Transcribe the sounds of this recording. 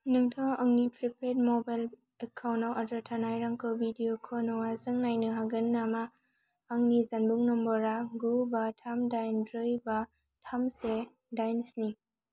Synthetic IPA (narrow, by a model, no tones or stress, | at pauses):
nɯŋtʰaŋʔɐŋnitɾipʰet̚mɔbajl | ekʰawnawʔadɾatʰanajɾaŋkʰɯbidijokʰonɔwazɯŋnajnɯɦaɡɯnːamaː | ŋnizanbuŋnɔmbɔɾaɡubatʰamdajnbɾɯjba | tʰamse | dajnsni